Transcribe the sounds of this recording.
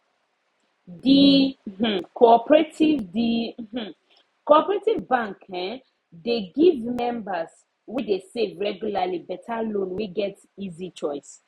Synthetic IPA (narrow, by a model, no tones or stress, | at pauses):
di | kʰoɔpɹetivdi | koɔpɹetivbãŋkɛ̃ | deɡivmɛ̃mbas | widesevɹɛɡjulalibɛtʰalõnwiɡɛt | izit͡ʃɔɪs